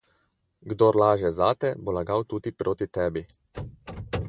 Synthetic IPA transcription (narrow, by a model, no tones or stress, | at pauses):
ɡd̪oːɾlaːʒɛzaːt̪ɛbɔlaɡawt̪uːt̪ipɾʔoːt̪it̪ɛːbi